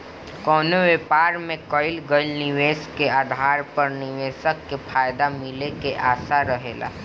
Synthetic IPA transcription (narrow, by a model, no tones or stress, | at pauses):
kɔːnoʋepaːɾmẽkɔɪlɡəɪlnɪʋeːskeaːd̪ʱaːɾpəɾnɪʋeːsəkːefʰaːjd̪amɪlekeʔaːsaɾəɦeːla̰ː